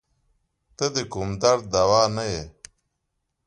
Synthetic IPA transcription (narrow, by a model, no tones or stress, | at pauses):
t̪əd̪ikumd̪ɐɾd̪awaːnɐje